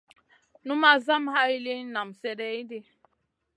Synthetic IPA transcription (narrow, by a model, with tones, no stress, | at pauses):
nu˦ma˦za˦mha˦i˦li˦na˨msɛ˦dɛ˦i˦de˦